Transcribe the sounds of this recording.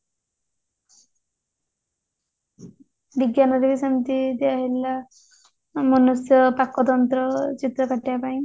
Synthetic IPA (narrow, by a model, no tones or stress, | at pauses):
biɡjanʌd̪iʋisəmit̪id̪iaɦilːa | mɔnusjɔpakːɔt̪ɔnt̪ɾɔt͡ɕit̪ɾɔkaʈːjapaĩ